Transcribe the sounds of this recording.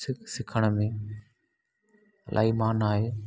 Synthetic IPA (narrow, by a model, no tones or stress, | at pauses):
sɪksɪkʰəɽ̃ə̆mẽ | lʔa̰ːimaːnaːɦeː